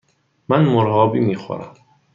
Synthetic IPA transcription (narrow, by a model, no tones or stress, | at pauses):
mænmoɾɦɒːbiːmiːxo̰ɾæ̰m